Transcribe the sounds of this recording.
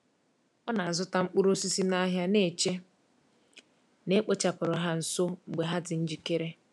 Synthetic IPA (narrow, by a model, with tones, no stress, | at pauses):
ɔ˦na˨a˨zʊ˦ta˦ŋ͡m̩˦k͡pu˦ɾo˦si˦si˦na˦ɦja˦ne˨t͡ʃe˦ | ne˦k͡po˦t͡ʃa˨pʊ˨ɾɔ˨ɦa˦n̩˨so˦ŋ͡m̩˨ɡ͡be˨ɦa˦dɪ˨n̩˦d͡ʒi˨ke˦ɾe˦